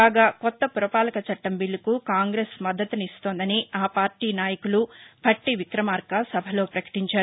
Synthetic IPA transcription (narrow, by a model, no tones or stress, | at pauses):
aːɡaːkɔt̪ːɐpuɾɐpaːlɐkɐt͡ʃɐʈːɐmbiɭːukukaːŋɡɾeːsmɐd̪ːɐt̪unist̪oːnd̪ɐniaːpaːɾʈiːnaːjɐkulubʱɐʈːiʋikɾɐmaːɾkasɐbʱɐlo̞ːpɾɐkɐ̥ʈiɲt͡ʃaːɾuu